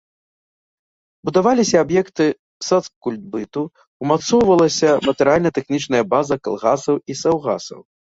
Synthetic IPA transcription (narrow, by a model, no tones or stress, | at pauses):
bud̪avalʲisʲɐːbjɛkt̪ɨ | sat̪skulʲd̪̚bɨt̪u | wmat̪sɔwvɐlˠɐsʲɐmɐt̪ɛɾɨalʲnɐt̪ɛxnʲit͡ʂnɐjɐbazɐka̰lˠɣasɐwisawɣa̰sɐ̰w